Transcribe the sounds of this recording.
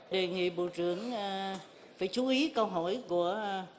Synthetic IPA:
ɗe˨˩ŋḭ˧˨ɓo̰˧˨t͡ɕɨ˧˩˨əŋ | faː˧˩˦jt͡ɕu˨˦ʔi˨˦kə˧wɦɔ˧˩˨jku˧˩ə

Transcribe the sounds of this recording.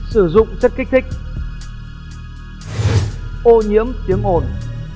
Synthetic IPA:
sɨ˧˩zʊ̰˧˨ŋ͡mt͡ɕə˦˥t̚ki˦˥k̚t̪ʰi˦˥k̚ | ʔo˧ɲi˧˥əmt̪i˨˦əŋʔo˨˩n

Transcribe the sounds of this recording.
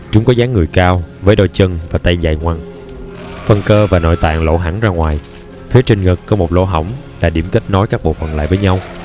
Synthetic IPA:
t͡ɕʊ˨˦ŋ͡mkɔ˨˦zaː˨˦ŋːɨ˨˩əjkaː˧wvəː˨˦jɗo˧jt͡ɕə˧nvaː˨˩t̪a˧jza̰ː˧˨jŋwa˧ŋ | fə˧˩nkəː˧vaː˨˩no̰˧˨jt̪a̰ː˧˨ŋlo̰˧˥ɦa˧˥ŋzaː˧ŋwaː˨˩j | fi˨˦ət͡ɕï˧˩ŋ̟ŋɨ˨˩k̚kɔ˨˦mo˨˩t̚lo̰˧˥ɦə˧˩wŋ͡m | laː˨˩ɗi˧˩əmkə˦˥t̚nɔ˨˦jkaː˦˥k̚ɓo̰˧˨fə˨˩nla̰ː˧˨jvəː˨˦jɲa˧w

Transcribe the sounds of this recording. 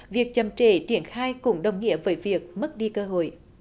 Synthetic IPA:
vi˨˩ək̚t͡ɕə˨˩mt͡ɕe˧˩t͡ɕi˧˩ənxaː˧jkʊ̰˧˥ŋ͡mɗə˨˩wŋ͡mŋḭ˧˥əvəː˨˦jvi˨˩ək̚mə˦˥t̚ɗi˧kəː˧ɦo̰˧˨j

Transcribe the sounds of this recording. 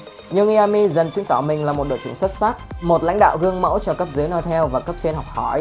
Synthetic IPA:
ɲɨ˧ŋʔi˧a˧mi˧zə˨˩nt͡ɕi˨˦əŋk̪ɔ˧˩wmï˨˩ŋ̟laː˨˩mo˨˩t̚ɗo̰˧˨jt͡ɕɨ˧˩ŋsə˦˥t̚sa˦˥k̚mo˨˩t̚la̰˧˥ŋ̟ɗa̰ː˧˨wɣɨ˧əŋmə̰˧˥wt͡ɕɔ˧kə˦˥p̚zɨ˨˦jnɔ˧˩t̪ʰɛ˧wvaː˨˩kə˦˥p̚t͡ɕe˧nɦɔ˨˩wk͡p̚hɔ˧˩j

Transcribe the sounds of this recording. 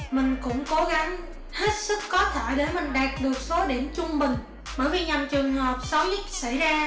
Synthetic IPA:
mï˨˩ŋ̟kʊ̰˧˥ŋ͡mko˨˦ɣa˨˦ŋ | he˦˥t̚sɨ˦˥kːɔ˨˦t̪ʰe˧˩ɗe˧˩mï˨˩ŋ̟ɗaː˨˩t̚ɗɨ˨˩ək̚so˨˦ɗi˧˩əmt͡ɕʊ˧ŋ͡mɓï˨˩ŋ̟ | ɓəː˧˩jvi˨˩ɲa˨˩mt͡ɕɨ˨˩əŋhəː˨˩p̚sə˨˦wɲɨ˦˥t̚sa̰˧˩jzaː˧

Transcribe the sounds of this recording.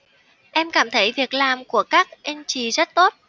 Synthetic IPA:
ʔɛ˧mkaː˧˩mt̪ʰə˧˥jvi˨˩ək̚laː˨˩mku˧˩əkaː˦˥k̚ʔi˧nt͡ɕi˨˩zə˦˥t̚t̪o˦˥t̚

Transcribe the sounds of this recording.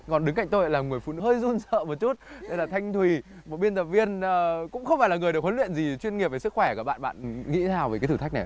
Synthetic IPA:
kɔ˨˩nɗɨ˨˦ŋka̰˧˨jŋ̟t̪o˧jʔa˧˨laː˨˩ŋɨ˨˩əjfṵ˧˨nɨ̰˧həː˧jzu˧nsə̰ː˧˨mo˨˩t̚t͡ɕu˦˥t̚ɗə˧jlaː˨˩t̪ʰa˧jŋ̟t̪ʰwi˨˩ | mo˨˩t̚ɓi˧ənt̪ə˨˩p̚vi˧ənː˨˩kʊ̰˧˥ŋ͡mxə˧wŋ͡maː˧˩laː˨˩ŋɨ˨˩əjɗk̚wə˨˦lwḭ˧˨ənzi˨˩t͡ɕwi˧nŋi˨˩p̚ve˨˩sɨ˦˥k̚xwɛ˧˩kaː˧˩ɓa̰ː˧˨ɓa̰ː˧˨nŋḭ˧˥t̪ʰaː˧˩wvːkaː˨˦t̪ʰɨː˧˩t̪ʰa˦˥k̟̚na˨˩j

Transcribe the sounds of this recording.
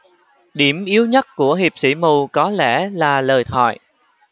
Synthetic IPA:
ɗi˧˩əmʔi˨˦əwɲə˦˥t̚ku˧˩əɦi˨˩p̚sḭ˧˩mu˨˩kɔ˨˦lɛ˧˩laː˨˩ləː˨˩jt̪ʰwɔ̰ː˧˨j

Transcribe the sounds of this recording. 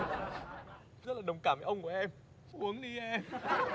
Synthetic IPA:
zə˦˥t̚laː˨˩ɗə˨˩wŋ͡mkaː˧˩mvaː˧˨˦ʔə˧ŋ͡mku˧˩əʔɛ˧m | ʔu˨˦əŋɗi˧ʔɛ˧m

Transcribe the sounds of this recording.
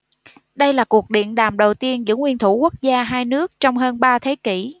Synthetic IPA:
ɗə˧jlaː˨˩ku˨˩ək̚ɗḭ˧˨ənɗaː˨˩mɗə˨˩wt̪i˧ənzɨ̰˧˥ŋwḭ˧ənt̪ʰu˧˩ku˦˥k̚zaː˧ɦaː˧jnɨ˦˥ək̚t͡ɕɔ˧wŋ͡mɦəː˧nɓaː˧t̪ʰe˨˦ki˧˩

